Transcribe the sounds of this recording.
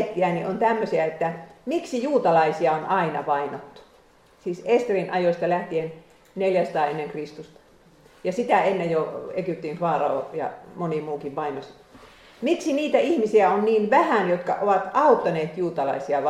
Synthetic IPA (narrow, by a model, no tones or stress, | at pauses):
t̪ːiæniʔont̪æmːøsiæet̪ːæmiksijuːt̪ɑlɑisiɑonɑinɑ̰ʋɑinot̪ːu̥ | siːsest̪erinʔɑjost̪ɑlæht̪ien | neljæsɑ̥t̪ɑːenːeŋkrist̪ust̪ɑ̥ | jɑsit̪æenːejjoekyˑp̚t̪infɑːrɑo̰jɑ̰monimuːkiʋʋɑinos | miksiniːt̪æihmisiæonniːnʋæhænjot̪kɑ̰ʔoʋɑt̪ɑut̪ːɑneːt̪juːt̪ɑlɑ̰isiɑʋ